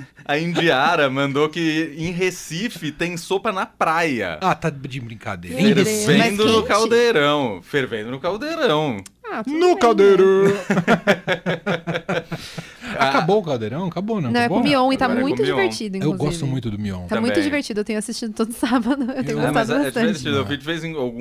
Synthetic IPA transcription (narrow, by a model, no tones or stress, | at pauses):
ɐĩnd͡ʒiaɾɐmɐ̃nd̪okɪẽj̃ɦesifɪt̪ẽj̃sopɐnɐpɾajɐ̰at̪ad͡ʒɪbɾĩka̰d̪ḛɾevẽm̃d̪ʊnʊkawwd̪eɾɐ̃w̃feɾvẽd̪ʊnʊkawd̪eɾɐ̃w̃at̪nʊkawd̪eɾɐ | aaaboʊkawd̪eɾɐ̃w̃akabonɐ̃wnɐ̃w̃ɛkõmiõw̃it̪amũj̃t̪ʊmd͡ʒiveɾ̃t͡ʃid̪ʊĩkewɡɔsst̪ʊmũj̃t̪ʊd̪ʊmiõ̰t̪ãmũjt̪ʊd͡ʒĩveɾt͡ʃid̪ʊewt̪ẽɲʊasist͡ʃid̪ʊt̪od̪ʊsabɐd̪ʊewt̪ẽɲʊɡost̪ɐadzɛbasɛd͡ʒ̪ĩveɾt͡ʃid̪ʊewvid͡ʒɪvejzĩawɡũ